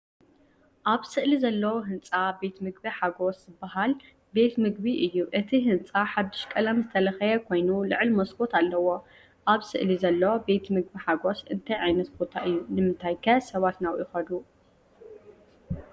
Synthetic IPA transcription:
ʔaβsɨʔlizɐlːɐwoɦɨnt͡sʼabe̞t̪mɨɡ̚biħaɡo̞szɨbːaɦal | be̞t̪mɨɡbiʔɨjːuʔɨt̪ʰiɦɨnt͡sʼaħad̪ːɨʃkʼɐlɐmzɨt̪ʰɐlɐxɐjɐkʰo̞jnulɨʕɨlmɐskʼo̞t̪ʰalːɐwo̞ | ʔaβsɨ̰ʔlizɐlːɐwobe̞t̪mɨɡ̚biħaɡo̞sɨnt̪ʰajʕajnɐt̪bo̞t̪ʰaʔɨjːunɨmɨnt̪ʰajkʰɐsɐβat̪nawjɪxɐd̪u

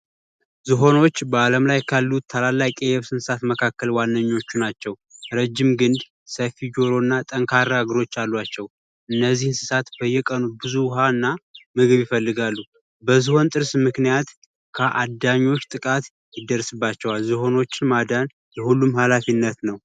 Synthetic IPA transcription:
zɨɦo̞no̞t͡ʃːbəaləmlajkʰalːut̪ʰːalalːakʼejɛβsɨnsɨsat̪məkʰakːəlwanːəɲːo̞t͡ʃːunat͡ʃːɛw | ɾəd͡ʒːɪmɡɨnd̪ | səfid͡ʒoɾo̞nːat̪ʼəŋkʰaɾːaaɡɾo̞t͡ʃːalːwat͡ʃːɛw | ʔɨnːəzːihɨnsɨsat̪b̥əjːɛkʼənubɨzuɦanːamɨɡɨβjɪfəlːɨɡalːu | bəzɨho̞nt̪ʼɨɾsmɨknijat̪ | kʰəʔa̰d̪aɲːo̞t͡ʃːt̪ʼɨkʼat̪ | jɪd̪əɾsɨbːat͡ʃːɛwalzɨɦo̞no̞t͡ʃːɪnmad̪an | jɛhulːumhalafinːət̪nəw

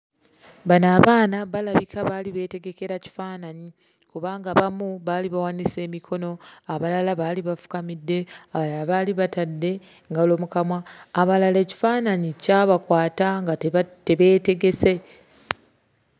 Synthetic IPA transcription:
banaːβaːnaβalaβikʰaβaliβe̞ːte̞ɡe̞ke̞ɾaci̥faːnaɲi | kuβaːŋɡaβamuβaliβawanise̞ːmikʰo̞no̞aβalalaβaːliβafu̥kamidːe̞aβalaaβaliβatadːe̞ | ŋɡalo̞ːmukamwaːβalale̞ːci̥faːnaɲicaβakwaːtaŋɡate̞βe̞ːte̞ɡe̞se̞

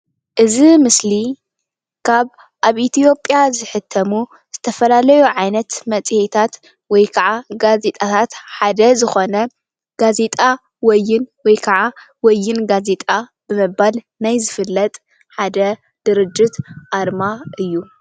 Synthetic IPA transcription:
ʔɨzimɨsli | kʰaβ | ʔaβʔit̪ʰijo̞pʼjazɨħɨt̪ʰːɐmu | z̥ɨt̪ʰɐfɐlalɐjuʕajnɐt̪mɐt͡sʼihet̪ʰat̪ | wɔjkʰaʕaɡaze̞t̪ʼat̪ʰat̪ħad̪ɐzɨxo̞nɐ | ɡ̥aze̞t̪ʼa | wɔjːɪnwɔjkʰɐʕa | wɔjːɪnɡaze̞t̪ʼabɨmɨbal | najzɨfɨlːɐt̪ʼ | ħad̪ɐ | d̪̥ɨɾɨd͡ʒːɪt̪ʔaɾmaʔɨjːu

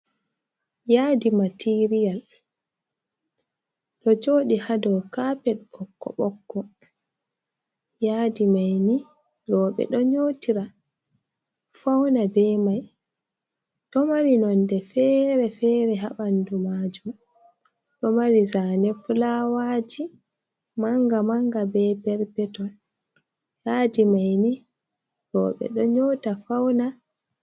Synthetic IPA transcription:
jaːdimatʰiɾijal | ɗɔt͡ʃoːɗihadɔwkapɛt̚bɔkːɔ̰ɓɔkːɔ | jaːdimajni | ɾɔːɓɛ̰ɗɔɲoːtiɾa | fawnabɛmaj | ɗɔmaɾinɔndɛfɛːɾɛfɛɾɛɦaɓandumaːd͡ʒum | ɗɔmaɾizanɛfulawaːd͡ʒi | maŋɡamaŋɡabɛbɛɾpɛtɔn | jaːdimajni | ɾɔ̰ːɓɛ̰ɗɔɲoːtafawna

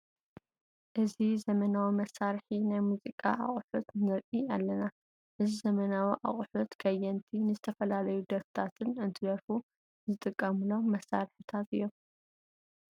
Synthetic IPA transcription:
ʔɨzizɐmɐnawimɐsːaɾħinajmuzikʼa̰ʔa̰χʼħut̪nɨɾʔialːɐna | ʔɨzizɐmɐnawiʔa̰χʼħut̪kʰɐjɛnt̪ʰinɨzɨt̪ʰɐfɐlalɐjud̪ɐft̪ʰat̪ʰɨnɨnt̪ʰɨd̪ɐɾfu | zɨt̪ʼɨkʼːɐmɨloːɐsːaɾħɨt̪ʰat̪ɨjːom

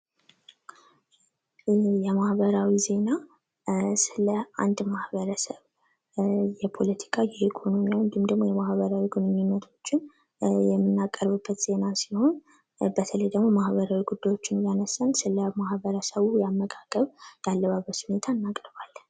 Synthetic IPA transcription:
jɛmahbəɾawize̞na | sɨləa̰nd̪mahbəɾəsəβ | jɛpʰo̞lət̪ʰi̥kʰajɛikʰo̞no̞mijawnd̪imd̪əɡmojɛmahβəɾawiɡunmnːət̪ʰo̞t͡ʃːɪn | jɛmːɨnːakʼːəɾβɨbːət̪z̥e̞nasiho̞n | bət̪ʰələjd̪əɡmo̞mahβəɾawiɡud̪ːajwo̞t͡ʃːɪnjanəsːənsɨləmahbəɾəsəβujamːəkʼakʼəβjalːəβabəshune̞t̪ʰanːakʼɾbalː

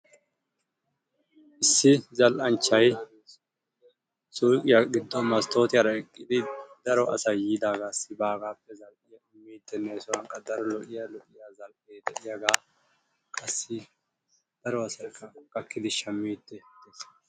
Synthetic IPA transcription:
ʔɪsːɪzɐlʔɐnt͡ʃːɐj | suːkʼɪjaɡɪd̪ːɔmɐst̪o̞ːt̪ɪjɐɾɐɛkʼːɪd̪ɪd̪̥ɐɾɔʔɐsɐjːiːd̪aːɡasːɪbaːɡaːpːɛzɐlʔɪjɐʊmːiːt̪ːɛneːsʊwɐŋkʼːɐd̪ɐɾɔlɔʔɪjalɔʔɪjaːzɐlʔeːt̪ɛʔɪjɐɡaː | kʼɐsːɪ | d̪̥ɐɾɔɐsɐjkʰːɐkʼɐkːɪd̪ɪʃɐmːiːt̪ːɛd̪es

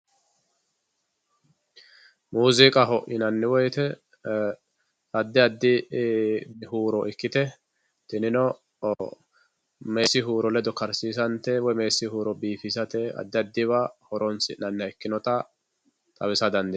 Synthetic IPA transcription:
muːzɪkʼɐɦɔʔɪnɐnːɪwɔjt̪ɛ | ɐd̪ːɪɐd̪ːɪ | huːɾɔʔɪkːɪt̪ɛ | t̪ɪnɪnɔ | meːsːɪɦuːɾɔlɛd̪ɔkɐɾsiːs̬ɐnt̪ɛwɔjmeːsːɪhuːɾɔbiːfɪsɐt̪ɛɐ̰d̪ːɪɐd̪ːɪβahɔɾɔnsɪ̰nɐnːɐɛkːɪnɔt̪ɐ | t̪ʼɐβɪsɐd̪ɐnd̪ɪ

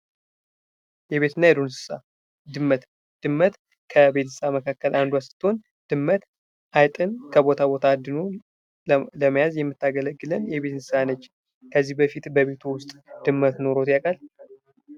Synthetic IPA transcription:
jɛβe̞t̪ɨnːajɛd̪onsɨ̥sa̰ | d̪ɨmːət̪ | d̪̥ɨmːət̪ | kʰəbe̞t̪ʰɨsaməkʰakːəlʔand̪uasɨ̥t̪ʰːon | d̪̥ɨmːət̪ | ʔajt̪ʼɨnkʰəbo̞t̪ʰabo̞t̪ʰad̪ɨno | ləmajazjɛmːɨt̪ːaɡələɡːɨlənjɛβe̞t̪sɨsanət͡ʃː | kʰəzːihbəfit̪bəβe̞t̪ʰuwʊst̪ʼd̪̥ɨmːət̪no̞ɾo̞t̪ʼjakʼal

